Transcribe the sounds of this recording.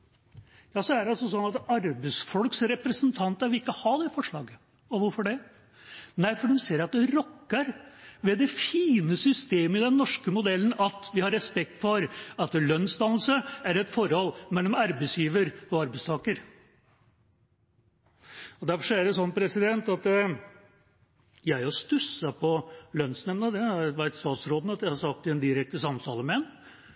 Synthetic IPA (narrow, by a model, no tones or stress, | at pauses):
jɑːsɔæɖɛɑlsɔsɔnːɑt̪ɑɾbəsfɔlksɾɛpɾəsənt̪ʰɑnt̪əɾʋɪlɪkːəhɑd̪ɛfɔʂɭɑːɡə | ɔʋʊɾfɔɖɛ | næɪfɔɖ̪ɛmseːɾɑt̪̚d̪ɛɾɔkːəɾʋɛd̪ɛfiːnəsʏst̪eːməɪd̪ɛnːɔʂkəmʊd̪ɛlːən̩ʔɑt̪ʋɪhɑɾɛspɛk̚t̪fɔɾɑt̪lœnːsd̪ɑnl̩səæɾɛt̪fɔɾhɔlːmɛlːɔmɑɾbɛsjiːʋəɾɔɑɾbæɪst̪ʰɑːkəɾ | ɔd̪æɾfɔʂɔæɖɛsɔnːpʰɾɛsɪd̪ɛnt̪ɑt̪ | jæɪɔst̪ʉsəpʰɔlœnsnɛmnəd̪ɛʋæɪt̪st̪ɑːt̪sɾoːd̪nɑt̪jæɪhɑsɑk̚t̪ɪɛnd̪ɪɾɛk̚t̪əsɑmt̪ʰɑːləmɛɛn